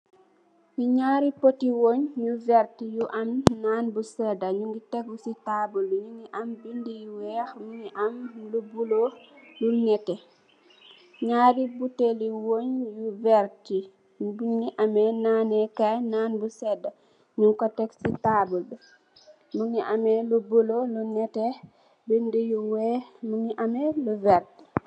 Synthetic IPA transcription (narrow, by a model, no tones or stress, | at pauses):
juɲaːɾipotiwoɲjuvɛɾtijuʔamnanbusɛdaɲuŋɡitɛkːusitabulbuɲuŋiʔambindijuwɛxmuŋiʔamlubulolunɛtɛ | ɲaːɾibuteliwoɲjuvɛɾti | buɲniʔamɛnaːnɛkajnanbusɛda | miŋkɔtɛksitabulbɛ | muŋniʔamɛlubulolunɛtɛ | bindijuwɛmuŋiʔamɛluvɛɾti̥